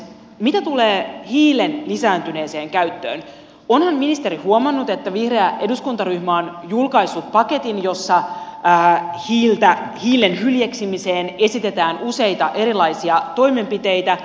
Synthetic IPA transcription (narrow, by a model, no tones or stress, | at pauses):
mit̪æt̪uleːhiːle̞nlisæːnt̪yne̞ːse̞ːŋkæyt̪ːø̰ːn | o̞nhɑmminist̪e̞ɾihuomɑnːut̪e̞t̪ːæʋihreæʔe̞duskunt̪ɑɾyhmɑonjulkɑjsːut̪pɑke̞t̪injo̞sːɑː | hiːlt̪æhiːle̞nhyljeksimise̞ːne̞sit̪e̞t̪æːnuse̞jt̪ɑʔe̞ɾilɑjsiɑt̪o̞jme̞mpit̪e̞jt̪æ